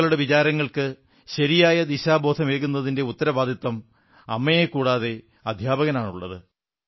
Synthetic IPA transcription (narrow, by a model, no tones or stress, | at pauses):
ɐɭuɽe̞ʋit͡ɕaːɾɐŋːɐɭkɨ | ɕɐɾijaːjɐd̪iɕaːbo̞ːd̪ʰʱɐmeːɣunːɐðinde̞ut̪ːɐɾɐbaːd̪ʱit̪wɐm | ɐmːɐjekːuːɽaːðe̞ | ɐd̪ʱjaːbɐɣɐnaːɳuɭːɐ̰ðɨ